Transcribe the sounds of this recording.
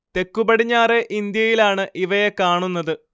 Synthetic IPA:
t̪e̞kːubɐɽiɲːaːre̞ʔind̪jɐjilaːɳɨʔiʋɐjekaːɳunːɐðɨ

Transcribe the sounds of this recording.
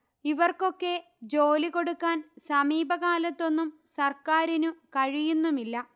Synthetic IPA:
iʋɐrko̞kːe̞ | d͡ʑo̞ːliko̞ɽukːaːnsɐmiːbɐɣaːlɐt̪ːo̞nːum | sɐrkaːɾinukɐɻijunːumilːɐ

